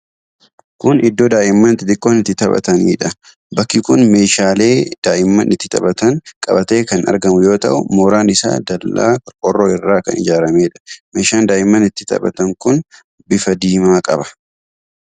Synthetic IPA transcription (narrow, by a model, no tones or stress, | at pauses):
kʊnɪd̪ːoːd̪aːʔɪmːɐnt̪ɪt̪ɪkʼːoːnɪt̪ːɪt̪ɐbɐ̰t̪ɐniːᶑɐ | bɐkːikʊnme̞ːʃaːle̞ːd̪̥aːʔɪmːɐnʔɪt̪ːɪt̪ɐ̰bɐt̪ɐŋkʼɐbɐt̪e̞ːkɐnʔɐ̰ɾɡɐmʊjo̞ːt̪ɐ̰ʔʊmoːɾaːnɪsa̰ːd̪ɐlːa̰ːkʼɔrːoːɪrːaːkɐ̰nɪ̰d͡ʒaːɾɐme̞ːᶑɐ̥me̞ːʃaːnd̪aːʔɪmːɐnɪt̪ːɪt̪ɐ̰bɐ̰t̪ɐŋkʊn | bɪfɐd̪iːmaːkʼɐbɐ̥